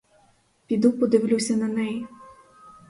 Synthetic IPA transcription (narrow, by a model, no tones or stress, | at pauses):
pʲid̪upɔd̪ɪwlʲusʲɐnɐnɛji